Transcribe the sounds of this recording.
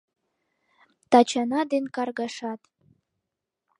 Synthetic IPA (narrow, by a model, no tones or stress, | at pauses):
t̪ɑt͡ɕɑnɑd̪enkɑrɣɑʃɑt̪